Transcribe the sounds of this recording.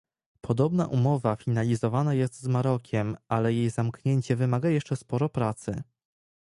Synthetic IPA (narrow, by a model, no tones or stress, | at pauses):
pʰɔd̪ɔbna̰ʔumɔvafʲinalʲizɔvanajɛst̪zmaɾɔkʲʰɛmalɛjejzamkɲeɲt͡ɕɛvɘmaɡajɛʂt͡ʂɛspɔɾɔpɾat̪sɘ